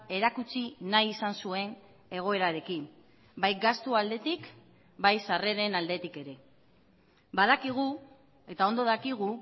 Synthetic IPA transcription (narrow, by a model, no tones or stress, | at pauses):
e̞ɾakut͡sinajisansue̞n | e̞ɣ̞o̞e̞ɾaɾekin | bajɡast̪uald̪e̞t̪ik | bajsare̞ɾe̞nald̪e̞t̪ike̞ɾe̞ | bað̞akiɣ̞u | e̞t̪ao̞nd̪o̞ðakiɣ̞u